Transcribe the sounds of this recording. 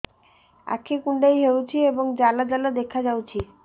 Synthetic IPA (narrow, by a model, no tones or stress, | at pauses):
a̰kʰikuɳɖajɦewt͡ɕʰieboŋd͡ʑalad͡ʑalad̪ekʰad͡ʑawt͡ɕʰi